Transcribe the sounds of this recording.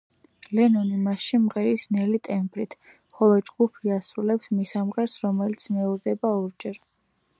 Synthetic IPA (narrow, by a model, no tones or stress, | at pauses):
lɛnɔnimaʃimʁɛɾisnɛlit̪ʼɛmbɾit̪ʰ | χɔlˠɔd͡ʒɡupʰiasɾulɛpsmisamʁɛɾsɾɔmɛlit̪sʰmɛuɾd̪ɛbaɔɾd͡ʒɛɾ